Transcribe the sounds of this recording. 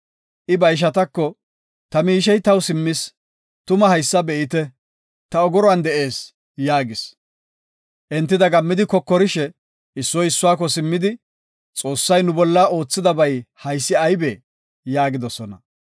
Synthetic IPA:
ʔɪbɐjʃ̬ɐt̪ɐkːɔ | t̪ɐmiːʃ̬ɛjt̪ɐwsɪmːɪs | t̪ʊmɐɦɐjsːɐbɛʔɪt̪ɛ | t̪ɐɔɡɔɾɔɐnd̪ɛʔe̞ːs | jaːɡɪs | ʔɛnt̪ːɪd̪ɐɡɐmːɪd̪ɪkɔkːɔɾɪʃɛ | ɪsːɔjɪsːʊwaːk̬ːɔsɪmːɪd̪ɪ | t͡sʼo̞ːsːɐjnʊbɔlːaːʔo̞ːt͡sːɪd̪ɐbɐjhɐjsːɪɐjbe | jaːɡɪd̪ɔsɔnɐ̰

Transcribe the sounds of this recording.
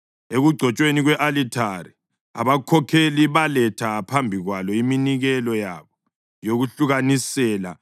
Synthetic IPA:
eɣuɡ͡ǀʱɔt͡ʃʼweniɣwɛʔalitʰaɾi | a̰βakʰɔkʰeliβalɛtʰapʰambʱiɣwalɔiminiɣɛlɔjaβɔ | joɣuɬuɣanisɛːla̰

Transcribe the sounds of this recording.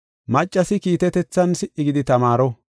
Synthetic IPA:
mɐt͡ʃʼːɐsɪkiːt̪ɛt̪ɛt͡sːɐnsɪʔɪɡɪd̪ɪt̪ɐmaːɾɔ

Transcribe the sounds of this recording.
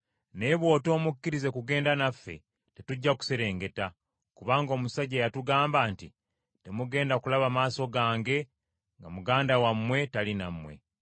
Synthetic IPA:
ne̞βwo̞ːto̞ːmukːiɾize̞kuɡe̞ːndanafːḛ | te̞tuɟːaku̥se̞ɾe̞ːŋɡe̞ta | kuβaːŋɡo̞ːmusaɟeːjatuɡaːmbaːnti | te̞muɡe̞ːndakulaβamaːso̞ɡaːŋɡe̞ | ŋɡamuɡaːndawamːwe̞talinamwe̞̰

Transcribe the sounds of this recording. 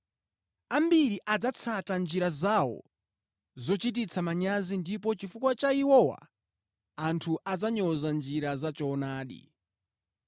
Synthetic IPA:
ambiɾiʔad͡zat͡sʰatand͡ʒiɾazawɔ̰ | zɔt͡ʃit̬it͡sʰamaɲazindip̬ɔt͡ʃifukwat͡ʃaiwɔwa̰ː | ntʰuʔad͡zaɲɔzand͡ʒiɾazat͡ʃɔːnaːɗḭ

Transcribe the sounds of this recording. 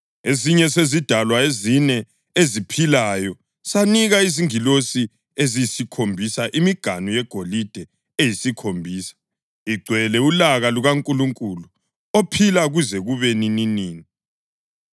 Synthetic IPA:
eziɲɛsezid̥ʱalwaezinɛ | ezipʰilajɔ | saniɣaiziŋilosi | ezijisikʰombʱisaʔimiɡ̥ʱanujɛɡ̥ʱolid̥ʱɛ | ejisikʰombʱiːsḁ | iɡ͡ǀʱwɛlɛulaɣaluɣaŋkʼuluŋkʼulu | opʰilaɣuzɛɣuβenininiːni

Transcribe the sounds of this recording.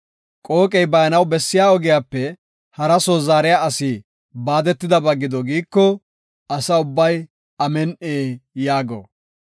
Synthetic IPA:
kʼo̞ːkʼɛjbɐjɐnɐwbɛsːɪjaːɔɡɪjaːpːɛ | hɐɾɐsoːzaːɾɪjaːɐsiː | baːd̪ɛt̪ːɪd̪ɐbɐɡːɪd̪ɔɡiːkːɔ | ɐsɐʊbːɐj | ɐmɛnʔeːjaːɡo̰ː

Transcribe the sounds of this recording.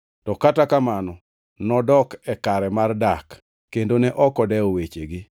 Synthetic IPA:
tɔkatakamanɔ | nɔdɔkɛkaɾɛmardak | kːendonɛʔɔkɔdɛowet͡ʃeɡɪ

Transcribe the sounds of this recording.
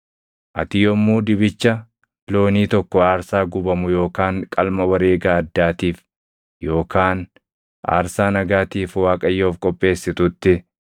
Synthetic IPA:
ʔɐt̪ɪjɔmːuːd̪ɪbɪt͡ʃːɐ | lo̞ːniːt̪ɔkːɔaːɾsaːɡʊbɐmʊjo̞ːkaːŋkʼɐlmɐwɐɾe̞ːɡaːɐd̪ːaːt̪iːf | jo̞ːkʰaːn | ʔa̰ːɾsaːnɐɡaːt̪iːfwaːkʼɐjːoːfkʼɔpʼːe̞ːsːɪt̪ʊt̪ːɪ

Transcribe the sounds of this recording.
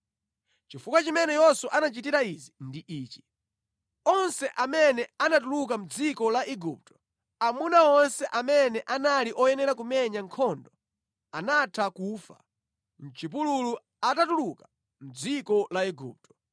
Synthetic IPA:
t͡ʃifukwat͡ʃimɛnɛjɛsuʔanat͡ʃit̬iɾaizindiʔiːt͡ʃi̥ | ɔnsɛʔamɛnɛanatuluk̬am̩d͡zikɔlaʔiɡup̚tɔ̥ | amunaɔnsɛʔamɛnɛʔanaliʔɔjɛnɛɾak̬umɛɲaŋkʰɔndɔ | anatʰakuːfa̰ | n̩t͡ʃip̬ululu | atatuluka | m̩d͡zikɔlaiɡṵːp̚tɔ̥

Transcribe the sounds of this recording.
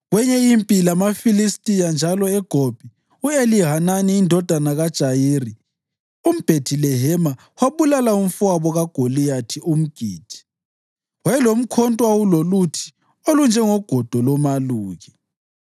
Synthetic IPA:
ɣwɛɲɛjimpʼilamafilistʼijand͡ʒʱalɔɛɡ̥ʱob̥ʱi | ueliɦananiːndʱɔd̥ʱanaɣad̥ʒ̥ʱajiːri | um̩b̥ʱetʰilɛɦɛma | waβulalaum̩fuaβɔɣaɡ̥ʱolijatʰium̩ɡ̥ʱiːd̥ʱi̥ | wajɛlom̩kʰɔntʼwawulolutʰi̥ | olund͡ʒʱɛŋɔɡ̥ʱɔd̥ʱɔlɔmaluːɣi

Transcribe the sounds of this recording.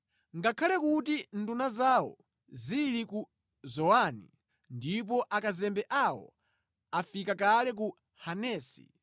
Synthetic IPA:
ŋɡakʰalɛkutin̩dunazawɔ̰ | ziliku | zɔwanḭ | ndip̬ɔʔakazɛmbɛʔawɔ̰ | afikakalɛk̬u | hanɛːsḭ

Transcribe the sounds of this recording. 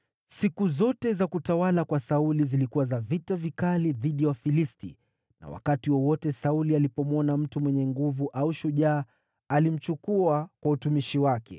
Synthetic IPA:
sikuzɔtɛzakutawalakwasaulizilikuwazavitavikaliðiɗijawafilistḭ | na̰wa̰katiwɔwɔtɛsaulialipɔmwɔnam̩tumwɛɲɛŋɡuvuʔauʃuʄaː | alim̩t͡ʃukuakwautumiʃiwakɛ̰

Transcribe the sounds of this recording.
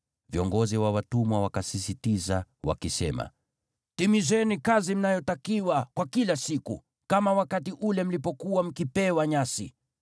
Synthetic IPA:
viɔŋɡɔziwawatumwawakasisitizawa̰kisɛma̰ | timizɛnikazim̩najɔtakiwakwakilasikṵ | kamawakatiʔulɛm̩lipɔkuwam̩kipɛwaɲasḭ

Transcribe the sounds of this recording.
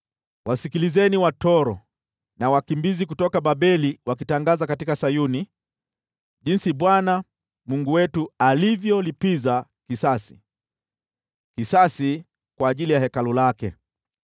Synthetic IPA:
wʔasikilizɛniwatɔɾɔ | nawakimbizik̬utɔkaɓaɓɛliwakitaŋɡazakatikasajuni | ʄinsiɓwana | muŋɡuwɛtualivjɔlipizakisasi̥̰ | kisasi | kwaːʄilijahɛkalulakɛ̰

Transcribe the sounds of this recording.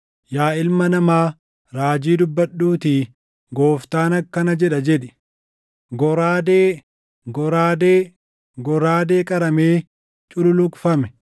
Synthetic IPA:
jaːɪlmɐnɐmaː | ɾaːd͡ʒiːd̪ʊbːɐɗːuːt̪iː | ɡo̞ːft̪aːnɐkːɐnɐd͡ʒɛᶑɐd͡ʒɛᶑɪ̥ | ɡɔɾaːd̪eː | ɡɔɾaːd̪eː | ɡɔɾaːd̪e̞ːkʼɐɾɐmeː | t͡ʃʼʊlʊlʊkʼfɐmɛ̥

